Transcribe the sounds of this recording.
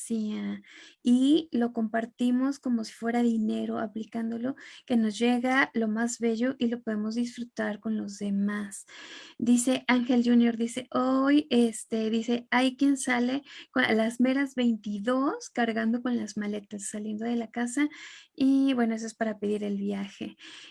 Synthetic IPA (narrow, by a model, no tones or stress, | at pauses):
siailo̞ko̞mpaɾt̪imo̞sko̞mo̞si̥fwe̞ɾaðine̞ɾo̞aplikand̪o̞lo̞ke̞no̞zʝe̞ɣalo̞mazβe̞ʝo̞ʔilo̞po̞ðe̞mo̞zðisfɾut̪aɾko̞nlo̞zðe̞masd̪ise̞ʔaŋxe̞lʝunjo̞ɾðise̞ʔojest̪eðise̞ajkje̞nsale̞kolazme̞ɾazβe̞jnt̪iðo̞skaɾɣand̪o̞ko̞nlazmale̞t̪asːalje̞nd̪o̞ðe̞lakasaibwe̞noes̬oe̞spaɾape̞ðiɾe̞lβjaxe̞